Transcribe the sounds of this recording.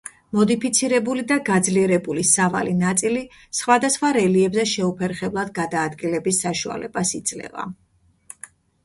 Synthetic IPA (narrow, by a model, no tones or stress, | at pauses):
mɔd̪ipʰit̪sʰiɾɛbulid̪aɡad̪zliɛɾɛbulisava̰linat̪sʼili | sχwad̪asχwaɾɛliɛbzɛʃɛupʰɛɾχɛblˠad̪̚ɡad̪aːd̪ɡilɛbisːaʃua̰lɛ̰basid̪z̥lɛ̰va̰